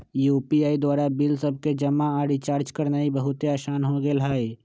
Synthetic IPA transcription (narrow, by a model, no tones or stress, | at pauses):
juːpiaːid̪waːɾabɪlsəb̚ked͡ʒɐmaaːɽit͡ʃaːɾd͡ʒkəɾnaːibɐɦʊt̪eaːʃaːnɦõɡelɦaːe